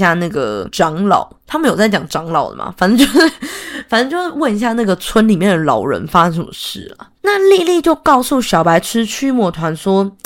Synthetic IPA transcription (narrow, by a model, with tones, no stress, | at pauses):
ja˥˩na˥˩ɡə˩ʈ͡ʂɑ˧˥ŋlɑ̰˨˩˦ʊt̪ʰa˥mə˧˦njo˨˩ʊt͡sa˥˩ɪt͡ɕɑ˨˩ŋʈ͡ʂɑ˧˥ŋlɑ˨˩ʊd̪ə̰˨˩ma̰˨˩fa˨nə˧˥t͡ɕjo˥˧ʊʂ̩˥˩fa˨˩nə˧˥t͡ɕo˥˧ʂ̩˥˧˩wə˥˩ni˧˥ɕ̬ja˥˧na˥˩ɡə˩t͡sʰwə˦nli˨˩mjɛ˥˩nd̪ə˩lɑ˨˩ʊɻə̰˧˦nfa˦˥ʂə˨˧ŋʂə˨˩mə˦ʂɻ̩˥˩lə̰˩na˥˨li˥˧li˥˧t͡ɕjo˥˧ʊkɑ˥˧ʊsu˥˨ɕjɑ˨˩ʊpa˧˥ɪʈ͡ʂʰɻ̩˥t͡ɕʰy˥mwɔ˥˩t̪ʰwa˧˦nswɔ˥